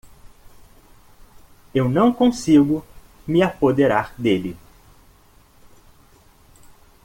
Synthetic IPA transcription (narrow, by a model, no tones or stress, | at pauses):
ewnɐ̃w̃kõsiɡʊmɪapod̪eɾaɾd̪elɪ